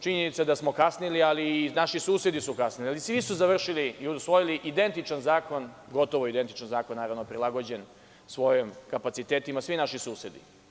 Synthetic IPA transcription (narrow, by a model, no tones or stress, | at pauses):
t͡ʃiɲenit̪sad̪asmo̞kasnilialiːnaʃisuːsjed̪isukasnilialisʋisuzaʋr̩ʃiliiusʋo̞jiliʔid̪e̞nt̪it͡ʃanzaːko̞nɡo̞t̪o̞ʋoid̪e̞nt̪i̥t͡ʃanzaːkonːaːɾaʋnopɾilˠaɡo̞d͡ʑe̞n | sʋo̞jimkapat̪it̪eːt̪imasʋinaʃisuːsed̪ḭ